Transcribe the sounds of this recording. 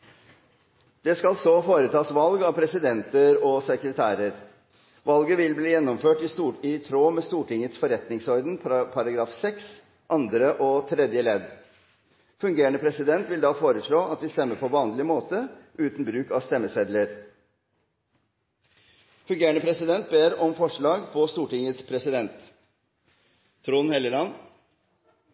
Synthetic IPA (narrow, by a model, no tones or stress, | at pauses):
d̪̥ɛskɑlsɔfoːɾət̪ʰɑːsʋɑlɡɑʋpʰɾɛsɪd̪ɛnt̪əɾɔsəkɾət̪ʰæːɾəɾ | ʋɑlɡəʋɪlbliːjɛnːɔmføːʈɪɪt̪ʰɾoːmeːst̪uːʈʰɪŋət̪sfɔɾɛt̪nɪŋsɔɾd̪npʰpʰɑɾɑɡɾɑːfsɛks | ʔɑnd̪ɾəʔɔt̪ʰɾɛd̪jəlɛd̪ | fʉŋɡeːəɳəpʰɾɛsɪd̪ɛnt̪ʋɪld̪ɑːfoːɾəʂɭoːʔɑt̪ʋɪst̪ɛmːəpʰɔʋɑːnlɪmoːt̪əʔʉːt̪n̩bɾʉːkɑst̪ɛmːəsɛd̪ləɾ | fʉŋɡeːəɳəpʰɾɛsɪd̪ɛnt̪̚beːɾɔmfɔʂɭɑːɡpʰɔst̪uːʈɪŋət̪spʰɾɛsɪd̪ɛnt̪ | ɾuːnhɛləɾɑn